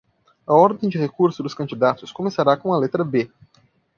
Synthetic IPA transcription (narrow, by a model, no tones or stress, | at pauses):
ɐɔɾd̪ẽj̃d͡ʒɪhekuɾsʊd̪ʊskɐ̃nd͡ʒid̪at̪ʊskõmesaɾakõũɐlet̪ɾɐbe